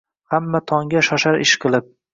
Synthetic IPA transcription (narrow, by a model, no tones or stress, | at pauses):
hamːat̪ʰɒŋɡʲaʃɒʃaɾɪʃqʰɨlˠɪp̚